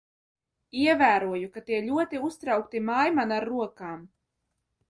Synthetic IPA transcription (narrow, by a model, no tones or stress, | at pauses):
iɛvæːɾuɔjukat̪iɛlʲuɔt̪iust̪ɾawk̚t̪imajmanaɾːuɔkaːm